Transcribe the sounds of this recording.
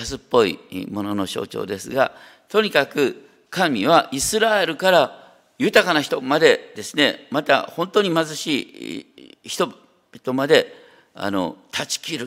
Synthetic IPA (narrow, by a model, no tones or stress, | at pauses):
asɨpːo̞ḭmo̞no̞no̞ɕo̞̰ːt͡ɕo̞̰ːd̪e̞sɨɡa̰ | t̪o̞ɲ̟ikakɯ̟ | kamʲiβ̞aʔisɨɾae̞ɾɯ̟kaɾa | jɯ̟t̪akanaçi̥t̪o̞mad̪e̞d̪e̞sɨne̞mat̪a̰hõ̞nt̪oɲ̟imazɨɕiː | çi̥t̪o̥ | t̪o̞mad̪e̞ | a̰no̞̰t̪ʰat͡ɕi̥kʲiɾɯ̟